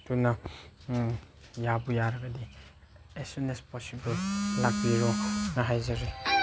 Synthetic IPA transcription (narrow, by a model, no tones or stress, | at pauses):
tuna | jabujaɾaɡadi | esunespɔsiballaɡ̚biɾɔnaɦajzaɾe